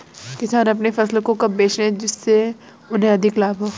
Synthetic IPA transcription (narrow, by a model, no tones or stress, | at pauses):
kɪsaːnɐp̬nefɐslkokɐbːeːt͡ʃẽd͡ʒɪsːe | ʊnɦẽɐd̪ʱɪklaːbʱɦoː